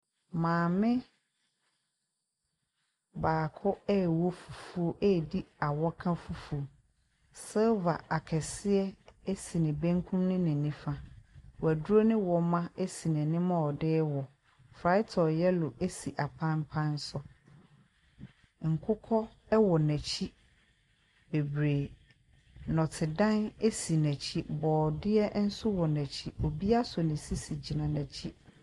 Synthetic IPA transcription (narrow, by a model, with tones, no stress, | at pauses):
mãː˨mɪ̃˦ | baː˨kʰʊ˦ɛ˦˨wɔ˦fu˨fu˦o˦ʔɛː˦˨di˦a˨wɔ˦kʰã˦fu˨fu˨˦o˨ | sɪ˦lva˨a˨kʰɛ˨sɪ˦ɛ˦e˦si˨nɪ̃˨bæ̃˦ŋkʰũ˦mnɪ̃˦nɪ̃˨nĩ˦fã˨wæ˨dʊ˦ɾo˦nɪ̃˦wɔ˨mã˦e˦si˨nɛ̃˨nɪ̃˦mã˦ɔ˨dɪː˦wɔ˨ | fɾa˨˦ɪ˦tʰɔ˨jɛ˦lʊ˨ʔe˦si˨ʔa˨pʰã˦m˦pʰã˦n˦sɔ˦ | ŋ̩˨kʰʊ˦kʰɔ˦ | ɛ˦wɔ˨næ̃˨t͡ɕʰi˦ | be˨bɾe˨ | nɔ̃˨tʰɪ˨dã˦ne˦si˨næ̃˨t͡ɕʰi˦bɔː˨dɪ˦ɛ˦n̩˦sʊ˦wɔ˨næ̃˨t͡ɕʰi˦o˨bi˦a˦sɔ˨nɪ̃˨si˦si˨d͡ʑi˨nã˨næ̃˨t͡ɕʰi˦